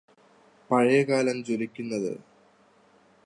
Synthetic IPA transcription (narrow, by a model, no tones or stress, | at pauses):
pɐɻɐjɐkaːlɐmt͡ɕolikʲːunːɐðɨ̰